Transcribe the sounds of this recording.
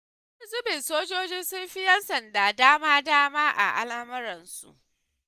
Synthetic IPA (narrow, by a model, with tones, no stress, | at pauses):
zʊ˦bɪ˨nsoː˦d͡ʒoː˦d͡ʒɪ˦nsʊ˦mɸiɪ˦jɐ˦nsɐ˨ndaː˨daː˦maː˦daː˦maː˦ʔa̰˨ʔa̰˦laː˦mɐ˦ɾɐ˨nsṵ˨ʔ